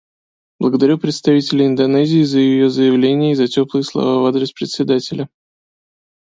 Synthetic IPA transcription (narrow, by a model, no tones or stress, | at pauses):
b̥lˠəɡəd̪ɐɾʲupɾʲɪt̪st̪ɐvʲitʲɪlʲɪɪnd̪ɐnɛzʲɪːzəjɪjo̞zəjɪvlʲenʲɪjəɪzɐtʲo̞plˠɨjəslˠɐ̰vavad̪ɾʲɪspɾʲɪt̪ʲsʲɪd̪atʲɪlʲə